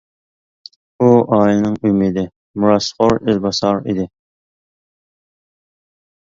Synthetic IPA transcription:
uʔɑːjɨnɨŋymid̪ɪ | muɾɑsqoɾɪlbɑsɑɾḭd̪ɪ

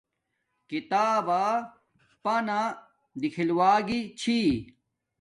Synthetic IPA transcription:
kit̪aːba | pana | d̪ikʰilwaːɡit͡ɕʰi

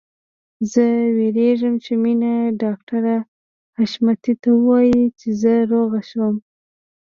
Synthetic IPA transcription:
zəweɾeʒəmt͡ʃeminaɖɑk̚ʈaɾa | haʃmat̪it̪awəwɑjit͡ʃezəɾoɣaʃwəm

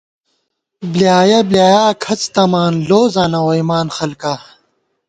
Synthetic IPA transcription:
blijaːjɐbljaːjaːkʰɐt͡st̪ɐmaːnloːzaːnɐwoimaːnxɐlka

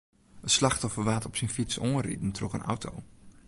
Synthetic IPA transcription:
ənslaxtɔfəʋaːtɔpsinfit͡soːə̃nrḭdn̩trɔkə̰nʔa̰wtʰo̰w

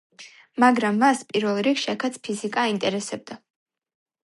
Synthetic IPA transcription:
maɡɾamːaspʼiɾvɛlˠɾikʃiakʰat̪sʰpʰizikʼaint̪ʼɛɾɛsɛb̚d̪a

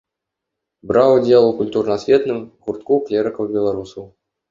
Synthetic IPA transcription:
bɾɑwud͡zʲelˠukulʲt̪urnɐsʲvʲet̪nɨmɣurt̪kuklʲeɾɘkəwbʲɛlˠaɾusɐw

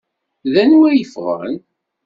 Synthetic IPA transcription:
ðænwæjəfʁə̰ɾə̰n

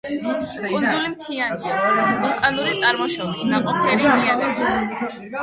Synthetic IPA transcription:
kʼund̪zulimt̪ʰianiavulˠt̪ʼanuɾit̪sʼaɾmɔʃɔbisnaqʼɔpʰɛɾimianɛbʰs

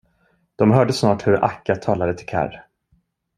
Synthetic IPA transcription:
d̪̥ɔmɦœːɖəsnɑːʈhɵɾa̰kːat̪ʰɑːlad̪ət̪ʰɪlkʰa̰ɾ

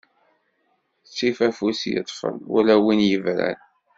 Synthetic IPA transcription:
t͡sːifæfusjə̰t̪ˤːfə̰nṵlæwinjəvɾæ̰l

